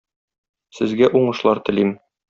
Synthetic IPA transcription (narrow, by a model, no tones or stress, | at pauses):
sɘ̆zɡæʔuɴɤ̆ʃlˠɑɾt̪ɘ̆lim